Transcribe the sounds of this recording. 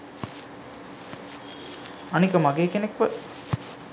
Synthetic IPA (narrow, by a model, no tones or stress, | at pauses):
ɐnikəmaɡeːkenekʋə